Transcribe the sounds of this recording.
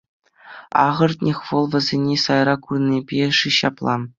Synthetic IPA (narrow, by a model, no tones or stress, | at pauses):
ɑʁɤ̆rt̪ʲnʲexʋɤ̆lˠvɘ̆zʲenʲesɑjrɑkurnʲibʲeʂiɕɑplˠɑ̰